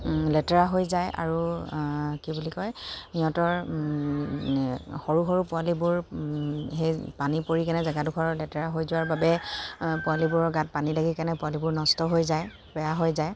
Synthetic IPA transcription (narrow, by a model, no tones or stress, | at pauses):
lɛtɛɹaɦojzajʔa̰ɹu | kibulikɔjniɔtɔɹ | xoɹuxoɹupʊalibʊɹ | ɦejpanipoɹikanɛzaɡadʊxʰɔɹlɛtɛɹaɦojzʊwaɹbabɛpʊalibʊɹɔɹɡat̚panilaɡikanɛpʊalibʊɹnɔstɔɦojzaj | b̥ɛjaɦojzaj